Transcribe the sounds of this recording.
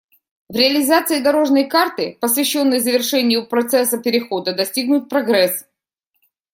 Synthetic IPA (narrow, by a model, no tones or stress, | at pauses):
vɾʲɪɐlʲɪzat̪sɨɪd̪ɐɾo̞ʐnəjkart̪ɨpəsvʲɪɕːo̞nːɨjzəvʲɪrʂɛnʲɪjʊpɾɐt̪sɛsːəpʲɪɾʲɪxo̞d̪əd̪ɐsʲtʲiɡ̚nʊt̪̚pɾɐɡɾɛs